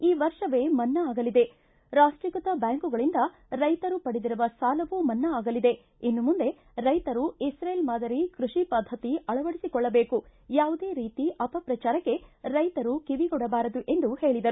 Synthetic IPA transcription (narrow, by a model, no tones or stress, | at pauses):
iːʋɐɾʂɐʋeːmɐnːɐaːɡɐlid̪e̞ | ɾaːʂʈɾikɐt̪ɐbjaːŋkuɡɐɭind̪ɐ | ɾɐjt̪ɐɾupɐɽid̪iɾuʋɐsaːlɐʋuːmɐnːɐaːɡɐlid̪e̞ | inːumund̪e̞ | ɾɐjt̪ɐɾuisɾelmaːd̪ɐɾikɾuʂipɐd̪ʱːɐt̪iɐɭɐʋɐɽisikɔɭːɐbeːkujaːʋud̪eːɾiːt̪iʔɐpɐpɾɐt͡ʃaːɾɐkːe̞ɾɐjt̪ɐɾukiʋiɡɔɽɐbaːɾɐd̪uʔe̞nd̪uhe̞ːɭid̪ɐɾu